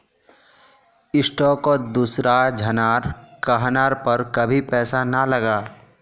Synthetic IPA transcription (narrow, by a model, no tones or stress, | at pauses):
ɪsʈɔːkod̪uːsɾad͡ʒʱɐnaːɾkaɦnaːɾpɐɾkɐbʱipɛːsanɐlɐɡaː